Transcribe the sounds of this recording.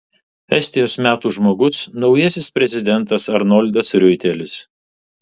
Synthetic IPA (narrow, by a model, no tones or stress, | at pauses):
ɛsʲt̪ʲɪjoːsmʲæːt̪uːʒmoːɡʊsnɒʊjɛsʲɪspʲɾʲɛzʲɪd̪ʲɛnˑt̪ɐsɐɾnɔlʲd̪ʲɐsɾʲʊɪt̪ʲɛlʲɪs